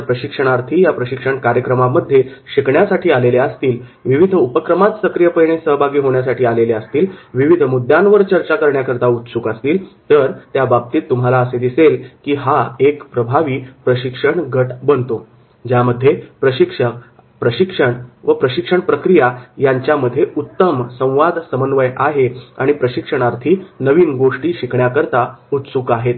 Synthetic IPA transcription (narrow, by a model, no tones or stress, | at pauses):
əpɾəɕikʂəɳ̃aɾt̪ʰiːjapɾəɕikʂəɳkaɾjəkɾəmaməd̪ʱːjeɕikɳjasaʈʰiːaleleəst̪iːlʋiʋid̪ʱupəkɾəmat̪səkɾijəpəjɳ̃esəɦbʱaɡiːɦoɳjasaʈiːaleleəst̪iːlʋiʋid̪ʱmud̪ʱjãnʋəɾt͡ɕəɾt͡ɕakəɾɳjakəɾt̪aut̪suːkast̪iːlt̪əɾt̪jabab̚t̪iːt̪ːum̤alaəsed̪iselkiːɦaekpɾəbʱaʋiːpɾəɕikʂəɳɡʱəʈbənt̪o | d͡ʑjaməd̪ʱːjepɾəɕikʂə | pɾəɕikʂəɳʋəpɾəɕikʂəɳpɾəkɾijajaɲt͡ɕjaməd̪ʱːjeʔut̪ːəmsə̃w̃ʋad̪ʱsəmənʋəjʔaɦeaɽ̃ipɾəɕikʂəɳ̃aɾt̪ʰiːnəʋiːnɡoʂʈiːɕikɳjakəɾt̪aut̪suːkaɦet̪